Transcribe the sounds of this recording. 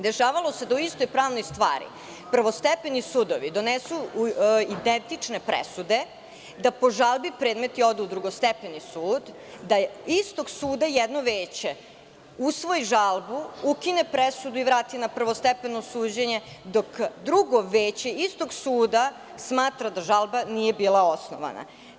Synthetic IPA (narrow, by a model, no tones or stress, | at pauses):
d̪eʃaːʋalˠo̞sed̪auist̪o̞jpɾaːʋno̞jst̪ʋa̰ːɾḭ | pr̩ʋost̪ɛpenisud̪oʋid̪o̞nesu | id̪ent̪it͡ʂne̞pɾḛsud̪e̞ | d̪apo̞ʒalˠbipɾeːd̪me̞t̪io̞d̪ɛud̪ɾuɡo̞st̪epenisuːd̪ | d̪aist̪o̞ɡsuːd̪ajɛd̪noʋeːt͡ɕe̞ | usʋo̞iʒalˠbuukinepɾesud̪uiʋɾaːt̪inapr̩ʋost̪epenosuːd͡ʑeɲe̞d̪o̞kd̪ɾuɡo̞ʋeːt͡ɕe̞ist̪o̞ɡsuːd̪a | smaːt̪ɾad̪aʒalˠbanije̞biːlˠaosno̰ʋa̰na̰